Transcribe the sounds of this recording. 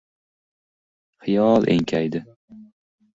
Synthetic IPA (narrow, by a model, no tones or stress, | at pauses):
χɪjɒlˠʔḛŋkʲʰajd̪ɪ